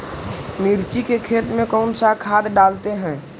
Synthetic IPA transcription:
miːɾt͡ʃikekʰeːt̪mẽkɔːnsakʰaːd̪ɖaːlt̪eɦɛ̃ː

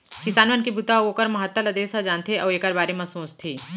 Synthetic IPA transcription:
kɪsaːnʋənkibut̪aoːkɐɾmɐɦɐt̪ːəlɐd̪eːsad͡ʒaːnt̪ʰeʔɐːeːkɐɾbaːɾemɐ̃sõːst̪ʰiː

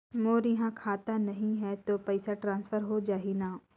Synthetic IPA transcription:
moːɾjɐɦãkʰaːt̪anɐɦĩɦɛt̪opɐɪsaʈɾãːnsfʰəɾɦod͡ʒaːɦinaː

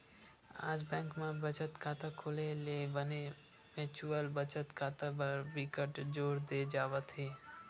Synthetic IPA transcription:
aːd͡ʒbɛ̃ːŋkmẽbət͡ʃət̪kaːt̪akʰoːlelebəne | mɪːt͡ʃuəlbət͡ʃət̪kaːt̪abəɾbɪkəʈd͡ʒoːɾd̪ed͡ʒaːʋət̪ɦeː

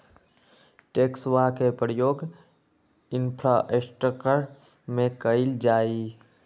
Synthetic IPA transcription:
ʈeːksʋakepəɾjoːɡ | ɪnpʰɾaːʔesʈəkəɽ | mẽkəɪld͡ʒaːi

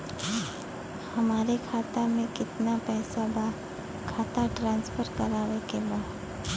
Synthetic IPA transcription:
hɐmaːɾekʰaːt̪amẽkɪt̪napɛːsabaː | kʰaːt̪aʈɾãːnspʰəɾkɐɾaːʋekebaːd̪

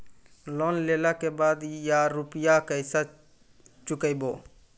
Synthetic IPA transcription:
loːnlelakebaːd̪jaɾʊpjakəɪsa | t͡ʃʊkəjboː

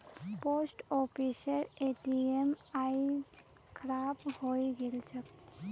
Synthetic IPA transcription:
posʈopʰisəɾeʈiemajd͡ʒ | kʰɾabhojɡelt͡ʃʰək

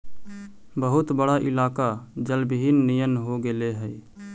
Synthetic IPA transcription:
bəɦʊt̪bəɽaʔɪlaːkad͡ʒəlbɦiːnːijənɦoɡeleɦəi

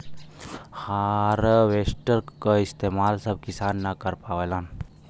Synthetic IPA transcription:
haɾʋesʈəɾkəist̪eːmaːlsəb̚kisaːnːakəɾpaːʋelaːn

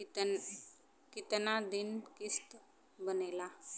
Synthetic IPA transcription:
kit̪nad̪inkist̪ | bənela

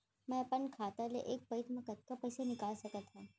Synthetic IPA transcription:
mɛ̃ɐpənkʰaːt̪alḛʔeːk̚pɐɪt̪mɐ̃kɐt̪̚kapɐɪsenɪkaːlsɐkət̪ʰɦaː

